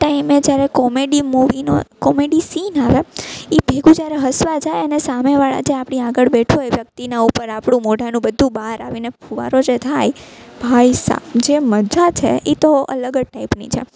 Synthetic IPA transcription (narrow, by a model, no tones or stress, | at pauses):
ʈaimed͡ʒjaɾɛkɔmeɖimuʋino̰kɔmeɖisinaʋeibʱeɡũd͡ʒaɾeɦəsʋad͡ʒajənesameʋaɭa̰d͡ʒeapɽ̃iaɡəɭbeʈʰoeʋjək̚t̪inaupəɾapɽ̃ũmoɖʱanũbəd̪ʱːũbaɦɾa̰ʋinepuʋa̰ɾod͡ʒet̪ʰajbʱajsa̰d͡ʒeməd͡ʒat͡ʃʰḛʔit̪oə̰ləɡəʈaipnḭt͡ʃʰḛ